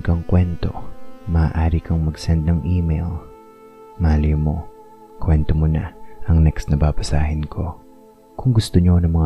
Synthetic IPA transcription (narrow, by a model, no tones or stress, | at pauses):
kɐŋkwɛnt̪o̞̰mɐaːʔaːɾikʰɐŋmɐɡsɛnd̪̚nɐŋʔiːmejl | maːljomo̞ | kwɛnt̪omonaʔɐŋnɛksnɐbaːbɐsaːhɪnkʰo̞ | kʊŋɡʊst̪oɲonɐŋmɐŋ